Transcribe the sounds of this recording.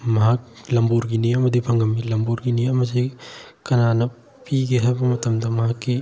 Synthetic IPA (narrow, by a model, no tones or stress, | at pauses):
mɐɦɐk̚lɐmbuɾɡiniɐmɐdibʱɐŋɡɐmilɐmbuɾɡiniɐmɐs̬i | kɐnanɐ | piɡeɦajbɐmɐtɐmdɐmɐɦɐkːi